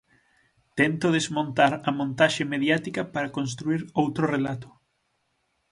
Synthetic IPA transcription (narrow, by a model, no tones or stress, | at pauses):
t̪ɛnt̪oðezmõnt̪aɾɐmõnt̪aʃemeðjat̪ikɐpaɾakons̬t̪ɾuiɾowt̪ɾorelat̪ʊ̥